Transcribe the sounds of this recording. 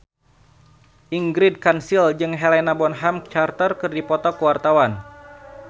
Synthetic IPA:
ʔiŋɡɾid̚kansild͡ʒɨŋɦɛlɛnabɔnɦamt͡ʃart̪ərkɨrdipɔt̪ɔkəwart̪awan

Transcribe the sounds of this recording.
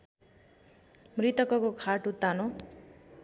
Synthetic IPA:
mrit̪ʌkʌkokʰaʈut̪ano

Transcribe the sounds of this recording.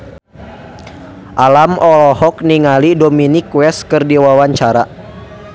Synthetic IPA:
ʔalamɔlɔhɔkniŋalidominikwɛskɨrdiwawaɲt͡ʃaɾa

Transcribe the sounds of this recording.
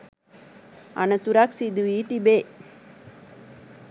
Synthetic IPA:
ɐ̰nɐt̪uɾaːksid̪uiːt̪ibeː

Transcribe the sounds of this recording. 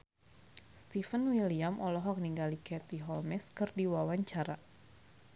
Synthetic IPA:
st̪ifənwiliamʔɔlɔɦɔk̚niŋɡalikɛt̪iɦɔlmɛskɨrdiwawaɲt͡ʃaɾa

